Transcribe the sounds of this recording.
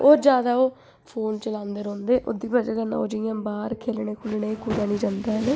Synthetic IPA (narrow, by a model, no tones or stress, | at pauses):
oːd͡ʒjaːd̪aːoː | pʰoːnt͡ʃəlãːnd̪əɾõːnd̪eːʔʊ̰d̪iːbəd͡ʒaːkənã̰ːo̰ːd͡ʒɪjãːbaːɾkʰeːlɳeːkʰʊlɳeːkuːd̪aːnĩːd͡ʒãːnd̪aːɦɛneː